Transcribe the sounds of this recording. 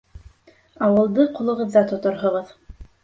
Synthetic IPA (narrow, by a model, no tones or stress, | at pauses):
ɑwɤ̆lˠd̪ɤqulˠɤ̆ʁɤ̆ðːɑt̪ŏt̪oɾɦŏʁɤð